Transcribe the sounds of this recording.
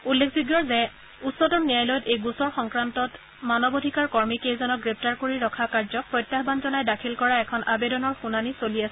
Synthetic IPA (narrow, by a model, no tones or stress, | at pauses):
ulːekʰzuɡjɔɹzɛ | utsɔtɔnnijajlɔjɔtejɡusɔɹxɔŋkɹantɔt | manɔbodʱikaɹkɔɹmikejzɔnɔk̚ɡɹep̚ʰtaɹkoɹiɹɔkʰakaɹzɔk̚pɹɔjtːaɦbanzɔnajdakʰilkɔɹaɛkʰɔnʔabedɔnɔɹxunanisoliasɛ